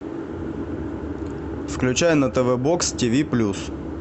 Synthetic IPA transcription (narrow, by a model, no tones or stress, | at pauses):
fklʲʉt͡ɕæjənət̪əvɛbokstʲivʲiplʲus